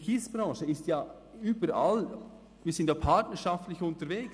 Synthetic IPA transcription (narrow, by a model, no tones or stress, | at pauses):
kisb̥ɾɑ̃ːʃəɪstjɑː | yːbəɾa̰l | ʋiːsɪndjapʰatnəɾʃaftlɪçʊntəɾvɛːks